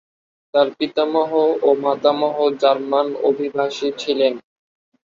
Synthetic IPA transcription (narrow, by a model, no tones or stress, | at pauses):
t̪aɾpit̪amɔɦoomat̪amɔɦod͡ʑaɾmanobʱibʱaʃit͡ɕʰilen